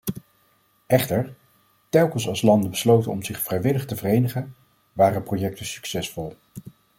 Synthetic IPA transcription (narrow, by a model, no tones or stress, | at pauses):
ʔɛχtəɹ | tɛlˠkənsɑlˠslɑndəbəslowtənɔmzɪχfrɛjʋɪləχtəvərejnəχən | ʋaːrəprowjɛk̚təsy̥ksɛsfɔlˠ